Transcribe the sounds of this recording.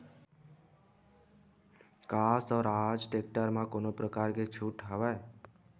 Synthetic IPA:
kasɔːɾad͡ʒʈek̚ʈəɾmãkonopɾəkaɾket͡ʃʰuʈɦəʋae

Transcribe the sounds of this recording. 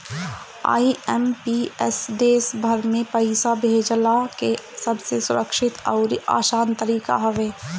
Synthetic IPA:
a̰ːiɛmpiɛsɖeːsbʱɐɾmẽpəɪsabʱeːd͡ʒlake | sɐbsesʊɾəkʃɪt̪ɔ̰ːɾa̰ːʃaːnt̪əɾiːka̰ɦɐʋeː

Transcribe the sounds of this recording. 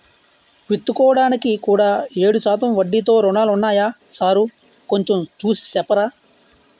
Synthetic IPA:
ʋit̪ːukɔːʋɐɽaːnikikuːɽaːe̞ːɽusaːt̪ɐmʋɐɖːit̪o̞ːɾuɳaːlunːaːjaːsaːɾu | ko̞ɲt͡ʃemt͡ʃuːsi̥sɛpːɐɾaː

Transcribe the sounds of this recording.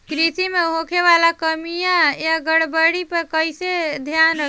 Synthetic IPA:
kɾit̪imeɦokʰeʋalakəmijãjaɡəɽbəɽipəkəɪsed̪ʱjanə

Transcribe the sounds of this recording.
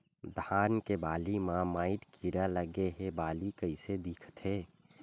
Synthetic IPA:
d̪ʱaːnkebaːlimãmaːɪʈkʰiɽaləɡeɦebaːlikəised̪iːkʰt̪ʰeː

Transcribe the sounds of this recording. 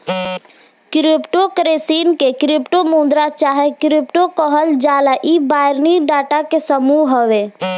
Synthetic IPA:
kɾɪpʈokɾeːsiːnkekɾɪpʈomũːnd̪ɾat͡ʃaːɦekɾɪpʈokɔɦəld͡ʒaːlaʔibaːɪɾniɖaːʈakesəmuɦəʋeː

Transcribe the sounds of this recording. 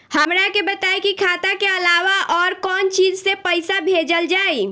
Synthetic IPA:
həmɾakebət̪aːikikʰaːt̪akeəlaːʋaʔɔːɾkɔːnt͡ʃiːd͡ʒsepəɪsabʱeːd͡ʒəld͡ʒaːi

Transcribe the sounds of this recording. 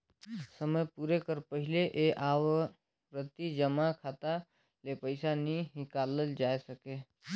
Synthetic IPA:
səməjpuːɾekəɾpəɦɪleʔeʔaːw | ɾət̪id͡ʒəmakʰaːt̪a | lepəɪsanĩɦɪkaːləld͡ʒaːesəkeː

